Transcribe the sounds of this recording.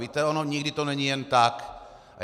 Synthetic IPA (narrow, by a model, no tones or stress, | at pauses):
viːt̪ɛonoɲɪɡdɪt̪onɛɲijɛnt̪ak